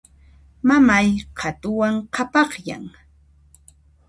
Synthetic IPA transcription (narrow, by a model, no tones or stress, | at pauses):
mamajqʰɑt̪ʊwaŋqʰɑpɑχja̰ŋ